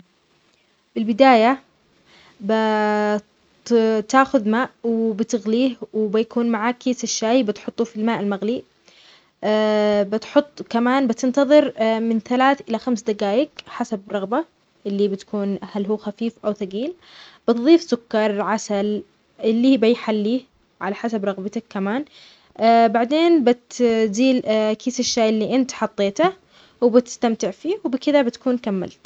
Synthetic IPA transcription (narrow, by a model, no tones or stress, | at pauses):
b̥ɪlbɪd̪aːja | ba | t̪aːxʊðmaːʔwɪbɪt̪ɪɣliːhwɪbɪjakuːnmaʕaːkːeːsaʃːaːjbɪt̪ħʊt̪ˤːufilmaːʔɪlmaɣli | bɪt̪ħʊt̪ˤːkamaːnbɪt̪ɪnt̪ɑðˤɨɾmɪnθalaːθʔɪlaxamsd̪aɡaːjɪkħasabɾˤɑɣba | ʔɪlːibɪt̪ḁkuːnhalɦuːxafiːfʔawθaɡiːl | b̥ɪt̪ðˤiːfsʊkːɑɾˤʕasal | ʔɪlːiːbajħalːiː | ʕalaħasabɾˤɑɣbɪt̪akːamaːnː | baʕd̪eːnbɪt̪ziːlkiːsaʃːaːʔɪlːiʔɪnt̪ħɑt̪ˤːeːt̪a | wɪbɪt̪ɪ̥st̪amt̪ɪʕfiːwbɪkɪd̪abɪt̪kuːnkamːa̰lt̪